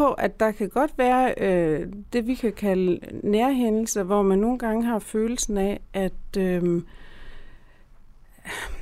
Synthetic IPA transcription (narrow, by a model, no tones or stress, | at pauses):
ɒ̽ʔæd̥ɑ̈kʰæɡ̥ɒ̽d̥ʋæːɐød̥e̝ʋikʰækʰæləneɐɦen̰l̩sɐʋɒmænːo̝ːn̩ɡ̥ɑ̈ŋəɦɑ̈føːl̩sn̩æʔæd̥ø